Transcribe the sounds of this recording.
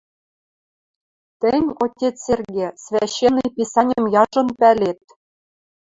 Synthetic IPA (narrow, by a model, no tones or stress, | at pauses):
t̪ɘ̆nʲotʲet͡serɣʲesvʲæɕːenːɘjpʲisɑnʲɘ̆mjɑʒɤ̆npælʲet̪̚